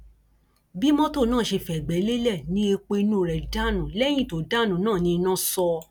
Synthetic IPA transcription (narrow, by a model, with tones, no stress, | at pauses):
bi˦mɔ̃˦to˦˨nãː˦˨ʃe˧fɛ˨ɡ͡bɛ˨˦le˦lɛ˦˨nĩ˧˦e˧k͡pe˧i˧nũ˦ɾɛ˨da˦˨nũ˨lɛ˦j̃ĩ˦˨to˨da˦˨nũ˨˦nãː˦˨nĩ˧nã˦sɔ˧